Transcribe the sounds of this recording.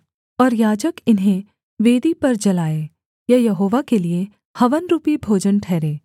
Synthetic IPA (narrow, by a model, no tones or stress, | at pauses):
ɔːɾjaːd͡ʒəkɪnɦẽ | ʋeːd̪ipɐɾd͡ʒɐlaːe | jɐjɐɦoːʋakelie | hɐʋənɾuːpibʱoːd͡ʒənʈʰɛːɾeː